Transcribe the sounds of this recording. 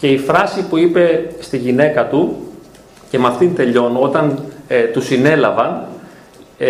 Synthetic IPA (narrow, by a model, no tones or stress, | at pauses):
ce̞ifɾɐsipuipe̞st̪iʝine̞kɐt̪u | ce̞mɐft̪int̪e̞ʎo̞no̞t̪ɐnt̪usine̞lɐvɐn